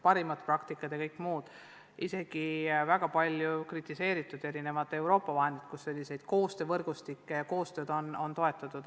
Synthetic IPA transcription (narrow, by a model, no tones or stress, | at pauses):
pɑɾimɑt̪prɑkt̪ikːˑɑt̪jɑkɤjkːˑmuːd̪̥ | ʔise̞ɡ̥ivæɡ̥ɑpɑlʲjukrit̪ːˑise̞ːɾit̪ːˑud̪e̞ɾine̞vɑt̪ːˑewɾo̞ːpːˑɑvɑɦend̪id̪̥kusːe̞lʲːise̞jd̪̥ko̞ːst̪ø̞ːvɤrɡ̥ust̪ikːejɑko̞ːst̪ø̞ːd̪o̞no̞nt̪o̞e̞t̪ːˑɑt̪ːˑud̪̥